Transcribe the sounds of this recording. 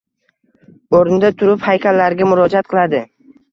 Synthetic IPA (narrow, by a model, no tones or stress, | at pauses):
oɾɪnd̪at̪ʰʊɾɪphajkʲalːaɾɪɡʲamʊɾɒd͡ʒat̪̚qʰɨlˠad̪ɪ